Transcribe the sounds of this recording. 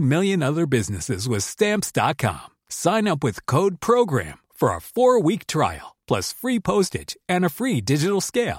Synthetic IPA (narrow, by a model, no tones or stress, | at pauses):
mɪlˠjɨ̃nʌðə˞bɪznɨsɪzwʌz̥stæ̃mpsd̥ɑ̰t̚kʰɑ̰̃m | sãɪ̃nʌpwɨð̥kʰoʊd̚pʰɹ̥oʊɡɹæ̰̃mfə˞ə̰fɔɹwik̚tʰɹ̥a̰ɪl̩ˠpʰl̥ʌ̰sfɹipʰoʊstɪ̰̥d͡ʒɨ̃nɨfɹidɪd͡ʒɨɾl̩ˠskeɪlˠ